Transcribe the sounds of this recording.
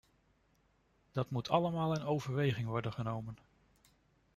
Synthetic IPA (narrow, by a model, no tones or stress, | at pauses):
d̥ɑtmutʰɑləmaːlˠɪnowvəɹʋejχɪŋʋɔɹdənχənowmən